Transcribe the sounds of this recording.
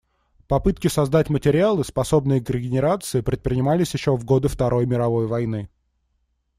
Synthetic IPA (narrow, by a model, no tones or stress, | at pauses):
pɐpɨt̪̚kʲɪsɐzd̪atʲmətʲɪɾʲɪalˠɨspɐso̞bnɨjəkɾʲɪɡʲɪnʲɪɾat̪sɨɪpɾʲɪt̪̚pɾʲɪnʲɪmalʲɪsʲjɪɕːovɡo̞d̪ɨft̪ɐɾʔo̞jmʲɪɾɐvo̞jvɐjn̪ɨ